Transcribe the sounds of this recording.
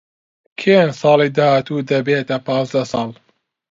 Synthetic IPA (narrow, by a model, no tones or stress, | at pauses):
kʰensˤɑːliːd̪ahaːt̪uːd̪ɐbeːt̪ɐpɑːzd̪ɐsˤɑːlˠ